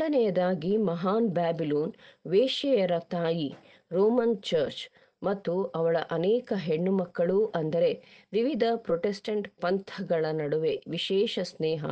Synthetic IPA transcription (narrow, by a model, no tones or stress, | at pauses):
ɽɐnɛjɐd̪aːɡimɐɦaːnbaːbiloːnʋeːʃɛjɐɾɐt̪aːji | ɾoːmɐnt͡ʃɐɾt͡ʃ | mɐt̪ːuɐʋɐɭɐʔɐnɛːkɐɦeɳːumɐkːɐɭuʔɐnd̪ɐɾe̞ʋiʋid̪ʱɐpɾoʈesʈɐɳʈpɐnt̪ʰɐɡɐɭɐnɐɽuʋeʋiʃɛːʃɐsnɛːɦɐ̰